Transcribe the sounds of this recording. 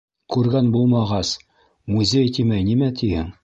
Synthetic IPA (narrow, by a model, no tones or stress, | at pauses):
kʉɾɡænbulˠmɑʁɑs | muzʲejt̪imæjnimæt̪ʰihɘŋ